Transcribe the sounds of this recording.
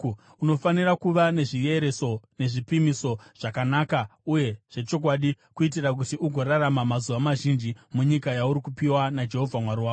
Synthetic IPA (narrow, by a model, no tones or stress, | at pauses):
uno̞fanirakuʋane̞ʐije̞ɾeso̞ne̞ʐipimiso̞ʐ̥akanaːkauje̞ʐ̥e̞t͡ʃo̞k̬waːɗi | kuit̬irak̬utiʔuɡʱo̞ɾaramamazuʋamaʒind͡ʒimuɲikajauɾikupiwanad͡ʒe̞ɦo̞vʱamwaɾiwaːo